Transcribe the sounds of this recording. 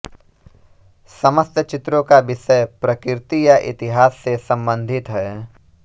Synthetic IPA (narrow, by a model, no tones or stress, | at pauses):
sɐməst̪ət͡ʃɪt̪ɾõkabɪʃəjpɾɐkɪɾɪt̪ijaʔɪ̰t̪ɪɦaːsːesɐ̃mbə̃nd̪ʱɪt̪ɦɛː